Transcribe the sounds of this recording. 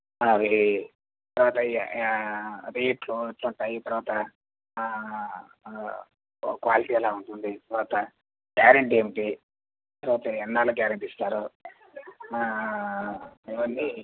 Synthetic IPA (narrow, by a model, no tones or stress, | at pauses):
aʋi | t̪ɐɾuʋaːt̪ɐ | ɾeːʈluiʈluɳʈaːjit̪ɐɾuʋaːt̪ɐ | kʋaːliʈiːɛlaːuɳʈund̪it̪ɐɾuʋaːt̪ɐ | ɡaːɾɐɳʈemiʈi | t̪ɐɾuʋaːt̪ɐɛnːaːluɡaːɾɐɳʈist̪aːɾu | iʋɐnːi